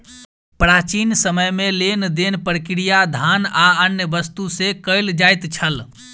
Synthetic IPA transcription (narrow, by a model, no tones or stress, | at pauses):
pɾat͡ʃinsəməjmelend̪enpəɾəkɾijad̪ʱanaənjəbəst̪usekəjld͡ʒajt̪t͡ʃʰəl